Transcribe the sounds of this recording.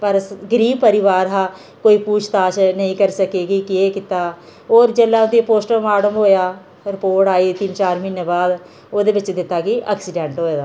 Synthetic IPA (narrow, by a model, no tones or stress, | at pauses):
pəɾɡəɾiːbpəɾɪʋaːɾɦaː | koːiːpuːt͡ʃʰt̪aːʃnəĩːkəɾsəkeːɡiːkieːkɪt̪aː | oːɾd͡ʒeːlːaːʊd̪ipoːsʈəɾmaːɖəmɦoːjaː | ɾɪpoːɾʈaːiːt̪ɪnt͡ʃaːɾmɪnebaːd̪ | oːd̪eːbɪt͡ʃd̪ɪt̪ːaːɡiːʔə̰ksɪɖɛɳʈɦoːeːd̪aː